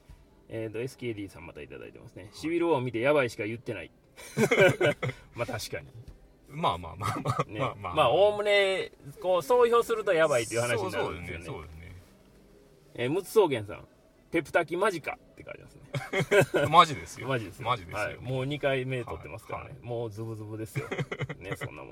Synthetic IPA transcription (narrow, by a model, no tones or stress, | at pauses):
eːt̪oe̞sɨ̥kʲeːd̪ʲiːsã̰mːat̪ait̪a̰d̪a̰ḭt̪e̞̰ma̰sɨne̞ɕibʲiɾɯoomʲit̪e̞jaβaiɕi̥kajɯ̟t̪ːe̞na̰ḭ | mat̪aɕi̥ka̰ɲ̟ḭ | mama̰anemaːo̞ːmɯ̟ne̞ko̞ːso̞ːço̞ːsɨɾɯ̟t̪o̞jabait̪ːoiɯ̟hanaɕiɲinaɾɯskjoneesne | eːmɯ̟t͡sɨ̥so̞ːɡẽ̞ɰ̃sã̰ŋ | pe̞pɯ̟t̪akʲimaʑika̰t̪ːe̞kã̰ɲd͡ʑima̰sɨne | maʑid̪esɨmaʑid̪esɨjid̪haḭmoːɲ̟ikaime̞d̪et̪o̞̰t̪ːe̞masɨ̥ka̰ɾa̰ne̞̰mo̞ːzɨbɯ̟zɨbɯ̟d̪e̞sɨjo̰ne̞sõnːa̰mo̰